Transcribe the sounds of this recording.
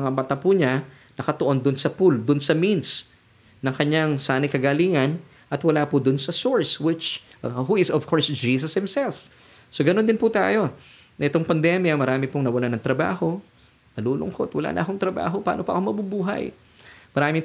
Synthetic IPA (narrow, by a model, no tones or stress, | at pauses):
ŋabat̪apuɲa | nɐkɐt̪oʔo̞nd̪ʊnsɐpuld̪ʊnsɐmins | nɐŋkɐɲaŋsaːnɪjkɐɡaliːŋɐn | ʔɐt̪wɐlaːpʊd̪ʊnsɐsoɹswɪt͡ʃ | huɪsɔvkʰoɹsd͡ʒiːs̬ɐshɪmsɛlf | soɡɐnond̪ɪnput̪a̰ːjo̞ | nɐʔɪt̪o̞ŋpɐnd̪ɛmjɐmɐɾaːmɪpʊŋnɐwɐlanɐŋt̪ɾɐba̰ːho̞ | nɐluːlʊ̰ŋkot̪wɐla̰ːnɐʔɐkoŋt̪ɾɐba̰ːɦo̞pa̰ːnopɐʔɐ̰komɐbubuːɦɐ̰j | mɐɾaːmɪŋ